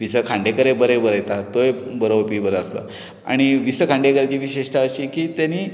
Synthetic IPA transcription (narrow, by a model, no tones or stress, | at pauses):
ʋisəkʰaɳɖekəɾebəɾebəɾəjt̪at̪ojbəɾəwpiːbəɾəəslə̰ | a̰ɽ̃iʋisəkʰãɳɖekəɾt͡ɕiːʋiɕeʂʈ̪ʰaət͡ɕiːkiːt̪janiː